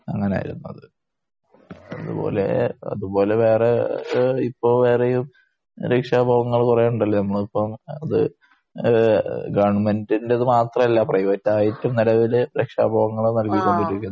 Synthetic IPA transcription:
ɐ̰ŋːɐnea̰ːjḭɾunːɐ̰ðɨ | ɐðṵbo̞̰ːle̞̰ɐ̰ðubo̞ːle̞ʋe̞ːre | ipːo̞ːʋe̞ːrejum | ɾekʂaːbʱaʋɐŋːɐɭkurejuɳɖɐlːɐnɐmːɐɭipːɐmɐðɨ̰ | ɡɐɳmendinde̞ɐðɨmaːt̪rɐmɐlːaprɐjʋɐtːaːjitːumnilɐʋilɾekʂa̰ːbʱaːʋɐŋːɐɭnɐlkikʲːoɳɖiɾikʲːun

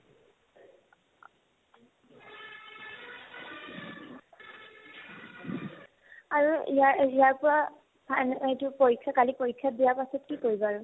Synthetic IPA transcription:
aɹuijaijaɹpʊɹa | bnejtʊpoɹikʰːakalipoɹikʰːabijaɹpasɔtkikoɹibaɹʊ

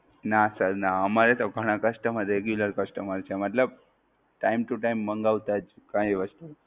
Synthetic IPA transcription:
nasəɾnaamaɾjet̪oɡʱəɽ̃ãkəsʈəməd̪ʱːɾeɡjuləɾkəsʈəməɾt͡ɕɛməʈləb̚ | ʈajmʈuʈajmːəŋɡaʋt̪akãjiʋəst̪u

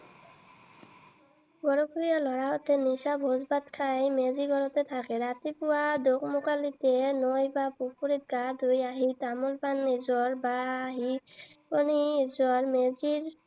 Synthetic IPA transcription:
ɡɔɾopɾijalɔɾaɦot̪eniʃabʱɦozbat̪kʰajmeziɡɔɾot̪et̪ʰakeɾat̪ipuad̪okmukalit̪enojbapupuɾit̪̚ɡad̪ʱujaɦit̪amulpanizɔɾbaɦiponizɔɾmeziɾ

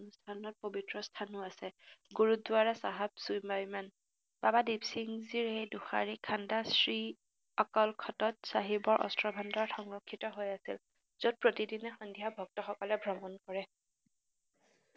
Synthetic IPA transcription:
nustʰanɔt̚pobitɹɔstʰanʊasɛɡuɹudʊaɹɛsaɦab̚sujmajman | b̥abadibsiŋziɹhejduxa̰ɹikʰandasɹi | ɔkɔlkʰɔtɔtsaɦibɔɹʔɔ̰stɹɔbʱandɔɹtxɔŋɹɔkʰːitɔɦojasḭl | z̥ɔt̚pɹotidinɛxɔndijabʱɔk̚tɔxɔkɔlɛbʱɹɔmɔnkɔɹɛ

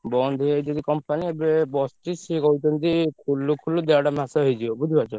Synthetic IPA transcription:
bɔnd̪ʱied͡ʒɔd̪ikɔmpaniebebɔsʈisikɔut̪ʰɔnt̪ikʰulːukʰulud̪eaɽamasaɦejd͡ʒiɔbud̪ʱibat͡ʃɔ

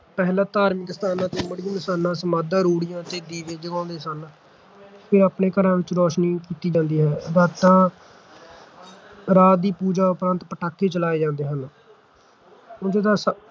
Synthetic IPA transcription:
pɛːlãːt̪aːɾmɪkst̪aːnãːt̪eːməɽɪjə̃ːnɪsaːnãːsəmaːd̪ãːɾuːɽɪjãːt̪eːd̪iːʋeːd͡ʒəɡãːnd̪eːsən | pʰɪɾaːpneːkəɾãːʋɪt͡ʃɾɔːʃniːkiːt̪iːd͡ʒãːnd̪iːɦɛːɾaːt̪ːãː | ɾaːd̪iːpuːd͡ʒaːʊpɾãːnt̪pəʈaːkʰːeːt͡ʃəlaːeːd͡ʒãːnd̪eːɦən | oːd͡ʒed̪ãːs

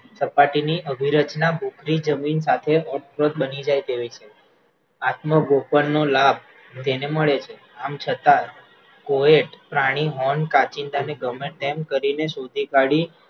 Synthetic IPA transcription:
səpaʈiniʔəbʱiɾət͡ʃnabʱukɾid͡ʒəminsat̪ʰeɔʈfɾot̪̚bənid͡ʒajt̪eʋit͡ʃʰe | at̪məɡopənːolab̚ʱ | t̪eneməɭet͡ʃʰe | amt͡ʃʰət̪a | koeʈpɾaɽ̃iɦɔɳkat͡ʃind̪ʱaneɡəmeʈ̪emkəɾineʃod̪ʱikaɽi

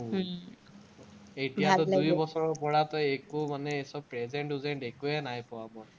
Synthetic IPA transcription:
ejtijaɔdujbɔsɔɹɔpɔɹatɔjekʊmanɛsɔb̚pɹɛzɛɳʈuzɛntekuɛnajpɔwabɔ

